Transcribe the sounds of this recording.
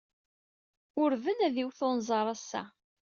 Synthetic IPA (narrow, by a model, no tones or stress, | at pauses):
ʊɾvənæðiwθonzˤɑɾˤɑsːæ̰